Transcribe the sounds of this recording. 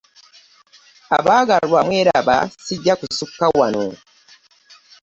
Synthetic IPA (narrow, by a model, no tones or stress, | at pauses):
a̰βaːɡalwamwe̞ːɾaβa̰siɟːakusukːawano̰